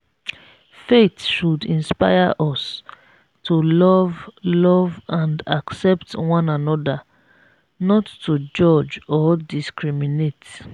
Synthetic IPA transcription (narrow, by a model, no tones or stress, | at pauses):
fetʃudĩnspa̰ɪaʔɔs | tʰulɔvlɔvãndaksɛptwɔ̃nãnɔda | nɔtːud͡ʒɔd͡ʒɔdiskʰɹiminet